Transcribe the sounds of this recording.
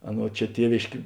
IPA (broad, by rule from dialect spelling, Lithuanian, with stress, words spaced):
ˈɑːˌnuɔ ˈt͡ʃʲɛ ˈtʲiɛʋʲeːʃʲkʲeː